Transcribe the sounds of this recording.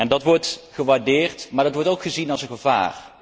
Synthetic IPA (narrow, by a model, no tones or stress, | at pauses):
ɛndɑtʋɔɹtχəʋaːɹdɪːɹtmaːɹdɑtʋɔɹtowkχəzinɑlˠsənχəva̰ːr